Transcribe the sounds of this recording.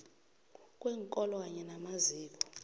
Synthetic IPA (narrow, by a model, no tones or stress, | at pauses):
kʼwɛŋkʼɔlwaɲɛnamaziːkɔ̥